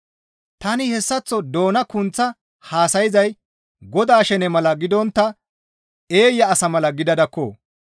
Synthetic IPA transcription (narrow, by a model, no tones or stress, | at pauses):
t̪ɐnɪhɛsːɐt͡sːɔd̪o̞ːnɐkʊnt͡sːɐ | haːsɐjɪzɐj | ɡɔd̪aːʃɛnɛmɐlɐɡɪd̪ɔnt̪ːɐ | e̞ːjːɐːsɐmɐlɐɡɪd̪ɐd̪ɐkːo̰ː